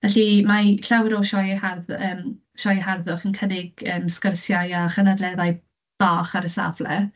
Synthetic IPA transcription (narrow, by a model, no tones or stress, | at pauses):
vɛɬimaɬawɛɾɔʃɔjharðəːm | ʃɔjəɦarðʊχənkʰənɪɡ̥əːmskərsjajaχənadlɛðaj | b̥aːχaɾəsa̰vlɛ